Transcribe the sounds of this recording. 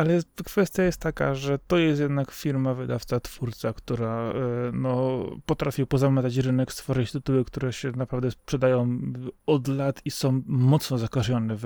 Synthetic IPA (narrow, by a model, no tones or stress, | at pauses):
alɛkfɛst̪ʲjajɛst̪ːaka̰ʐɛt̪ɔjɛst̪jɛd̪nakfʲiɾmavɘd̪aft̪sat̪fuɾt̪sakt̪uɾanɔpɔt̪ɾafʲipɔzamɛt̪at͡ɕɾɘnɛkst̪fɔʐɘt͡ɕt̪ɘt̪uwɘkt̪uɾɛɕɛnapɾavd̪ɛspʂɛd̪ajɔ̃w̃ɔd̪lat̪isɔ̃w̃mɔt̪snɔzakaʐɔnɛv